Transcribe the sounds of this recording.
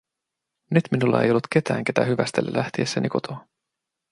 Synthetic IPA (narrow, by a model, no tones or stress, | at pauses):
nyt̪minulːɑe̞jo̞lːut̪ke̞t̪æːŋke̞t̪æhyʋæst̪elːḛlʔæht̪iesːæniko̞t̪ʰoː